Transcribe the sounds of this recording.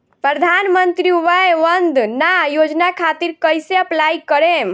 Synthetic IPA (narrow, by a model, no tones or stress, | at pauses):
pɾəd̪ʱanmənt̪ɾiuʋaeʋənd̪najod͡ʒnakʰat̪iɾkəjseəplaikəɾem